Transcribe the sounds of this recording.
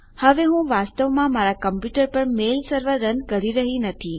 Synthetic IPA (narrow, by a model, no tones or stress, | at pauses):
həʋeɦũʋast̪əʋmãmaɾakəmpjuʈəɾpəɾmelsəɾʋəɾənkəɾiɾəɦinət̪ʰi